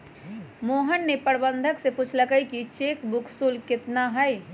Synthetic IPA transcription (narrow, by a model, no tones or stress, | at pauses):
moːɦənːepəɽbənd̪ʱəksekʊt͡ʃʰləkəikit͡ʃeːkbʊkʰsulkɪt̪naɦɛj